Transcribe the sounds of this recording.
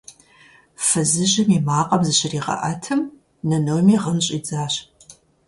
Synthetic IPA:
fɐzɨʒɪmimaːqʼɐmzɨɕɪriːʁɐ̰ʔɐtʰɨm | nɐnowmiːʁənɕʼid͡zaːɕ

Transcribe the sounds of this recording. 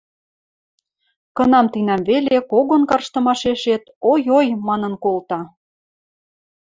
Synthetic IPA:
kɤ̆nɑmt̪inæmβelekoɣonkɑrʃt̪ɤ̆mɑʃeʃet̪ojojmɑnə̆nkolt̪ɑ

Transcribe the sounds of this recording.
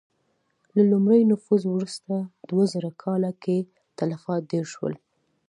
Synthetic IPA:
lalʊmɾəjnʊfuzwɾust̪ad̪wazəɾakʰɑlake | t̪alafɑt̪̚d̪eɾʃwə̰l

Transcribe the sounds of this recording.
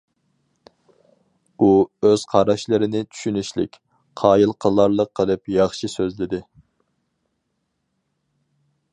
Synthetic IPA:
uøz̥qʰɑɾɑʃlˠɨɾɪnɪt̪ʰy̥ʃynyʃlɪ̰kʲ | qʰɑːjilˠqʰəlˠːɑɾlˠəqʰːəlˠɨpjɑχʃisøzlɪd̪ɪ

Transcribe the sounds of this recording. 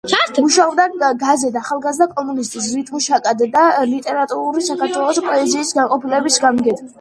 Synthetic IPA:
uʃaɔbd̪aɡazɛd̪aχalˠɡazd̪akʼɔmunist̪ʼis̬ɾit̪ʰʼunʃakʼad̪d̪alit̪ʼɛɾat̪ʼuɾuɾisakaɾt̪ʰwɛlˠɔspʼɔɛziːsɡanqʼɔpʰilɛbisɡamɡɛd̪ʰ

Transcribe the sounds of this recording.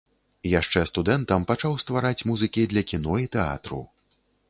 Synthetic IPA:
jaʂt͡ʂɛst̪ud̪ɛnt̪ɐmpat͡ʂawst̪vaɾat͡sʲmuzɨkʲid̪lʲɐkʲinɔit̪ɛa̰t̪ɾṵ

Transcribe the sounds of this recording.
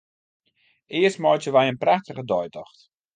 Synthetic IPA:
ɪəstmɔjtəʋɛjənpraxtəɣədɔjtɔxt

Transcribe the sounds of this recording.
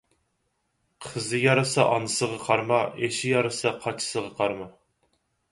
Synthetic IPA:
qʰəzɨjɑɾɑsɑʔɑnɨsəʁɑqʰɑɾmɑeʃɪjɑɾɑsɑqʰɑt͡ʃʰɪ̥səʁɑqʰɑɾmɑ

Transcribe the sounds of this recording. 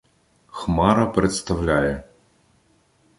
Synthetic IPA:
xmɑɾɐpɾet̪st̪ɐwlʲajɛ

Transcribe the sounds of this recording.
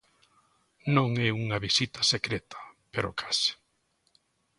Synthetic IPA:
nõŋɛuŋɐβisit̪asekɾet̪ḁpeɾokʰḁsɪ̥

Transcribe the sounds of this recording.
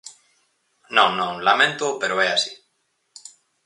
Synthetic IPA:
nõŋnõŋlamẽnt̪opeɾoɛasi̥

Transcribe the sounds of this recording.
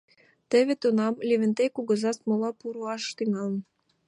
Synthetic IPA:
t̪ĕβĕt̪unɑmlʲeβɘ̆nt̪ejkuɣɤ̆zɑst̪molɑpuɾuɑʃt̪yŋɑlə̆n

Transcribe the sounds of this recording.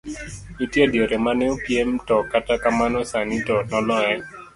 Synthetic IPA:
itjedjeɾemanɛopjemtɔkatakamanɔsanitɔnɔlɔɛ

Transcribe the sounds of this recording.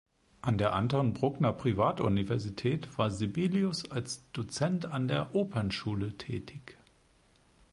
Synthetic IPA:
ʔandeːɐʔandəʁənbʁʊɡnɐpʁ̥ivaːtʔṵnivɛɐzitʰɛːtv̥aːɐzibiːliʊsalsd̥ot͡sɛntandeːɐʔoːpʰənʃuːlətʰɛ̰ːtʰɪç

